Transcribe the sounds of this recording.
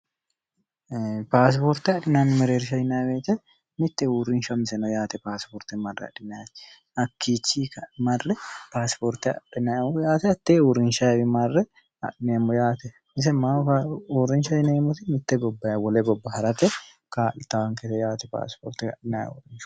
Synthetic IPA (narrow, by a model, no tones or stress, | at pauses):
paːs̬pɔɾt̪ɛɐᶑɪnaːnɪmɛɾeːɾɪʃɐjnɐjɐbeːt̪ːɛ | mɪt̪ːɛuːɾːɪnʃɐmɪsɛnɔjaːt̪ɛpaːspɔɾt̪ɛmɐrːɛ̰ɐ̰ᶑɪnaj | ɐkːiːt͡ʃːikɐmɐrːɛpaːspɔɾt̪ɛɐ̰ᶑɪnɐɔjaːt̪ɛɐt̪ːeːuɾɪnʃɐwɪmɐrːɛ | ɐ̰ᶑɪneːmːɔjaːt̪ɛ | mɪs̬ɛmauːɾːɪnʃɐjneːmːɔt̪ɪmɪt̪ːɛɡɔbːɐwɔlɛɡɔbːɐhɐɾɐt̪ɛ | kaːʔɪt̪ːɐwɐŋkɛt̪ɛjaːt̪ɛpa̰ːspɔ̰ːɾt̪ɪɐ̰ᶑɪnaːj̰wɔ̰ɾɪnʃʊ